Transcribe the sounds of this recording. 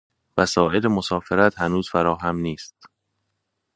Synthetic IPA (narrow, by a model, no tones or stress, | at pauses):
væsɒːe̞lemosɒːfeɾæt̪hænuːz̥fæɾɒːɦæmniːst̪